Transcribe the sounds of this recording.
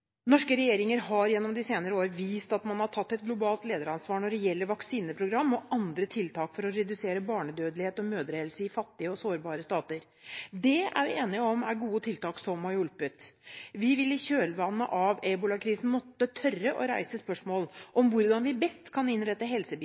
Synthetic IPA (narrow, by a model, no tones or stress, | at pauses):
nɔʂkəɾɛjeːɾɪŋəɾɦɑɾjɛnːɔmd̪ɪseːnəɾəoːɾəʋiːst̪ɑt̪mɑnhɑʈʰɑt̪ːɛt̪̚ɡlʊbɑːlt̪leːd̪əɾɑnsʋɑːɳɔɖɛjɛlːəɾʋɑksiːnəpʰɾʊɡɾɑmːɔʔɑnd̪ɾət̪ʰɪlt̪ʰɑːkfɔɾɔɾɛd̪ʉseːɾəbɑːɳəd̪øːd̪əlɪheːt̪ɔmøːd̪əɾeɛlsəɪfɑt̪ːɪəɔsoːɾbɑːɾəst̪ɑːt̪əɾ | d̪ɛæ̰ɾʋɪeːnɪəɔmæɾɡuːət̪ʰɪlt̪ɑːksɔmɑɾjʊlpət̪ʋɪʋɪlːɪçøːlʋɑnːə̰ʔɑʋebʊlɑkʰɾiːsn̩mɔt̪ːət̪ʰœrəʔɔɾæ̰ɪsəspœʂmoːlʔɔmʋʊɾd̪ɑnʋɪbɛst̪kʰɑnɪnɾɛt̪ːəɦɛlsəb